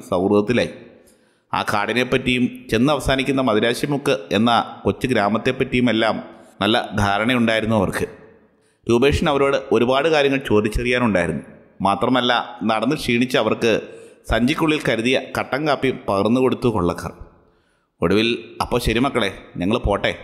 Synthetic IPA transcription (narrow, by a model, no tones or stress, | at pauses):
sɐwruðɐt̪ːilaːji | a̰ːkaːɽine̞pːɐtːijumt͡ɕe̞nːɨɐʋɐsaːnikʲːunːɐmɐðɐɾaːɕjɐmokːɨe̞nːɐko̞t͡ɕːɨɡɾaːmɐt̪ːe̞pːɐtːijume̞lːaːmnɐlːɐ̰d̪ʱaːɾɐɳɐjuɳɖaːjiɾunːuɐʋɐ̰rkɨ | ɾuːbe̞ːʂɐnɐʋɐɾo̞ːɽɨʔo̞ɾubaːɽɨkaːɾjɐŋːɐɭt͡ɕo̞ːd̪it͡ɕːɐrijːaːnuɳɖaːjiɾunːu | maːt̪rɐmɐlːanɐɽɐnːiʂiːɳit͡ɕːɨɐʋɐrkɨsɐɲd͡ʑikʲːuɭːilkɐɾuðijɐkɐʈːɐŋkaːpːijmpɐɣɐrnːuko̞ɽut̪ːukoɭːɐkːɐ̰r | oɽuʋilɐpːo̞ːɕɐɾimɐkːɐɭe̞ɲɐŋːɐɭpo̞ːʈːe̞